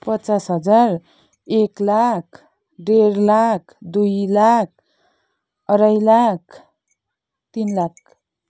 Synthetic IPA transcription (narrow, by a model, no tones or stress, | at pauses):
pʌtt͡sasɦʌd͡zar | eklak̚ʰ | ɖeɾlakʰd̪ujlak̚ʰ | ʌɾʌjlakʰ | t̪inlak̚ʰ